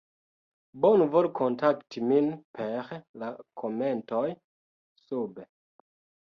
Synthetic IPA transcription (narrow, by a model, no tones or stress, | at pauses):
bonvolkʰontaktiminpʰeɾlakʰomentoj | sube